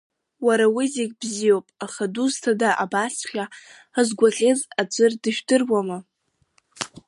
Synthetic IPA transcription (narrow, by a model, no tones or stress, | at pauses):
waɾawiziɡʲbzijowpʼaχaduztʰadaʔabasχʲa | azɡʷaχʲʼezat͡ʃʷʼɨrdɨʒᶣdɨrwama